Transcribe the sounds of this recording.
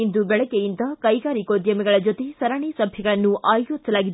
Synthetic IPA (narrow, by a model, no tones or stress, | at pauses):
ind̪ubɛɭɐkejind̪ɐkɐjkaːɾikoːd̪jɐmeɡɐɭɐd͡ʒot̪esɐɾaːɳisɐbʱjɐɡɐɭɐnːuʔaːjjot̪sɐlaːɡid̪